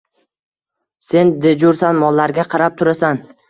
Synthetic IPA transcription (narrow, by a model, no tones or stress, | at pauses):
se̞nd̪ed͡ʒʊɾsanmɒlˠːaɾɡʲaqʰɑɾap̚t̪ʰʊɾasan